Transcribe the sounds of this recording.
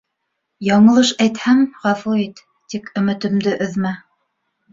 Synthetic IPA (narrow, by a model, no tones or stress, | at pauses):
jɑɴɤ̆lˠɤʃæjt̪hæŋʁɑfuit̪ːikɵ̆mɘ̆t̪ɵ̆md̪ɘʔɵ̆ðmæ